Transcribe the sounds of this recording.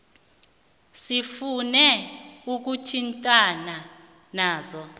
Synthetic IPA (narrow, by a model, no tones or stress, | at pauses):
sifunɛuk̬utʰintʼana | naːzɔ